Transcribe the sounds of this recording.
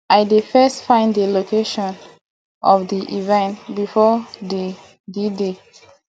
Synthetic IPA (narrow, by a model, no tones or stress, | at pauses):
aɪdefɛstfãɪ̃ndəlokeʃɔ̃n | ɔfdiʔivɛ̃ntbifɔde | dede